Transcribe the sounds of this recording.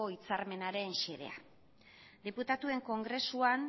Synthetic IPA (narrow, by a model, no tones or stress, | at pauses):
o̞it͡saɾme̞naɾe̞nʃeðe̞̰a̰ | d̪iput̪at̪ue̞ŋko̞ŋɡɾe̞suan